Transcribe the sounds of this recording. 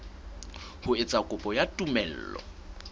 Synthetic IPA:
hʊɪt͡sʼakʼʊpʼɔjatʼumɛl̩ːlɔ̰

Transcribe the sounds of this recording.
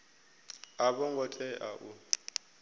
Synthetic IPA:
abɔŋɡɔt͡ɬʼɛʔa̰ʔu

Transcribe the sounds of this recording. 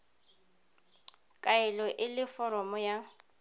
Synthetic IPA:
kʼaɛlɔʔɪlɪfɔɾɔmɔja

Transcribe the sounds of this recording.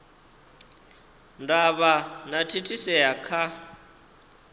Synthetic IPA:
ndaβanatʰitʰisɛjakʰa

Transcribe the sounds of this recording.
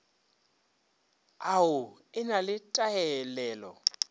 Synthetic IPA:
aʊ | ɪnalɪtʼajɛlɛːlɔ̰

